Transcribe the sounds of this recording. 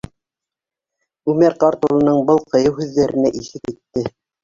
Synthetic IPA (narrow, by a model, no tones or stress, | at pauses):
ʉmæɾqɑɾt̪olˠɤ̆nɤɴbɤlˠqɤ̆jɤwɦʉðːæɾɘ̆næʔiʃɘt̪it̪ːɘ